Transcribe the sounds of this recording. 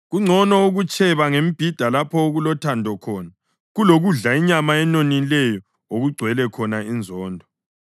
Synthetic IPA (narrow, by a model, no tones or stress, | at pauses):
ɣuŋ͡ǀʱɔnɔuɣut͡ʃʰʼɛβaŋemib̥ʱid̥ʱalapʰɔoɣulɔtʰandʱɔkʰɔːna | ɣuloɣuɮaiɲamaɛnonilɛjɔ | oɣuɡ͡ǀʱwɛlɛkʰɔnaind͡zʱɔːndʱɔ